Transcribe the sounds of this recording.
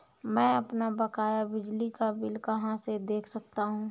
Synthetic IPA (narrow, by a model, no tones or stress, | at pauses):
mɛ̃ːɐpnabɐkaːjabɪd͡ʒlikabɪlkɐɦãsed̪eːkʰsɐk̚t̪aɦũː